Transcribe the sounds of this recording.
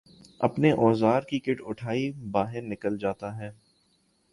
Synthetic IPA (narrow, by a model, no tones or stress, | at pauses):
ɐ̰pneʔɔːzaːɾkikɪʈʊʈʰaːibaːɦɪɾnɪkəld͡ʒaːt̪aɦɛː